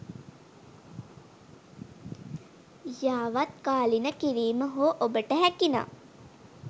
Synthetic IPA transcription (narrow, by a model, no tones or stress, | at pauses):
jaːʋat̪̚kaːlinəkiɾiːməɦoːʔobəʈəɦækina̰ː